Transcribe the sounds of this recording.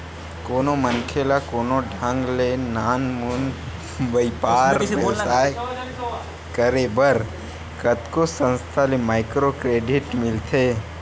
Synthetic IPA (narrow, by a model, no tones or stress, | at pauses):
koːnomənkʰelakoːnoɖʱãŋɡlenaːnmun | ʋəɪpaːɾosaː | kəɾebəɾ | kət̪kosə̃nst̪ʰalemaːɪkɾokɾeːɖɪʈmɪlt̪ʰe